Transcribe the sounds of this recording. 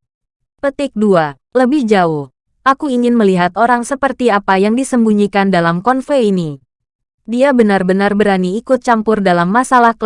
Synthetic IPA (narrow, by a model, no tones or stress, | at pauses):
pət̪ɪk̚dua | ləbɪhd͡ʒaʊh | ʔakuiŋɪnməliɦat̪oɾaŋsəpərt̪iapajaŋdisəmbuɲikandalamkɔnfeini | diabənarbənarbəɾaniːkʊt̪̚t͡ʃampʊrdalamːasalahk